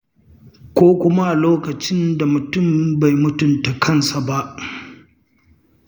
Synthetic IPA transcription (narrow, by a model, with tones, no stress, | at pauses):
kʷoː˦kʷʊ˦ma˦ʔa˨loː˦kɐ˨t͡ʃɪ˦nda˨mʊ˨tʊ˦˨mba˨jmʊ˦tʊ˨nta˨kʰɐ˦nsa˨ba˦ʔ